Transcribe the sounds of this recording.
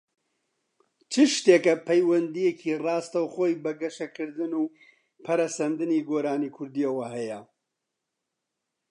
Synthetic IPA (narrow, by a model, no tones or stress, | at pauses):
t͡ʃʰɨʃt̪eːkɐpʰɐjwɐnd̪ijecʰirɑːst̪ɐwχoːjbɐɡɐʃɐkɨɾd̪ɨnuː | pʰɐɾɐsɐnd̪ɨniɡoːɾaːnikʰʊɾd̪iɐwɐɦɐjɐ